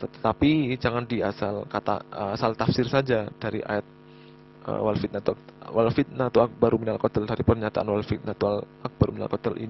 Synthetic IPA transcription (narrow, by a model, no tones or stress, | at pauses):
t̪ət̪apid͡ʒaŋandia̰salkat̪a̰asalt̪afsɪrsad͡ʒad̥aɾḭʔa̰jɛt̪̚ | ə̰walfit̪̚nat̪uak̚walfit̪̚nat̪uak̚baɾuminalkɔt̪əldaɾipərɲat̪aʔanwalfit̪̚nat̪ual | ak̚baɾumina̰lkɔt̪əlʔḭn